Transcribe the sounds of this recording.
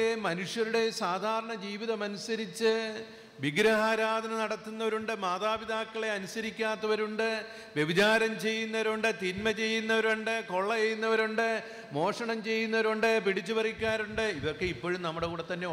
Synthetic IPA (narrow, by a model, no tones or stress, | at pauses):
emɐnuʂjɐɾuɽe̞saːd̪ʱaːɾɐɳɐd͡ʑiːʋiðɐmɐnusɐɾit͡ɕːɨ | ʋiɡɾɐaːɾaːd̪ʱɐnɐnɐɽɐt̪ːunːɐʋɐɾuɳɖɨmaːðaːbid̪aːkːɐɭe̞ɐnusɐɾikʲːaːt̪ːɐʋɐɾuɳɖɨ | ʋjeʋit͡ɕaːɾɐmt͡ɕe̞jːunːɐʋɐɾuɳɖɨt̪inmɐt͡ɕe̞jːunːɐʋɐɾuɳɖɨko̞ɭːɐt͡ɕe̞jːunːɐʋɐɾuɳɖɨ | mo̞ːʂɐɳɐmt͡ɕe̞jːunːɐʋɐɾuɳɖɨpiɽit͡ɕːupɐrikʲːaːɾuɳɖɨiðorkːe̞ipːo̞ːɻumnɐmːuɽe̞kuːɽet̪ːɐnːe̞